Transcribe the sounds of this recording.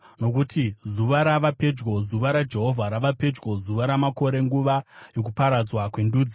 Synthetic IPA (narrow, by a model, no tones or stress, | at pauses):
no̞k̬utʰizuʋaɾaʋape̞d͡ʒwo̞zuʋaɾad͡ʒe̞ɦo̞vʱaɾaʋape̞d͡ʒwo̞zuʋaɾamako̞ɾe̞ŋɡuʋajo̞k̬upaɾad͡zwakwenduːd͡zi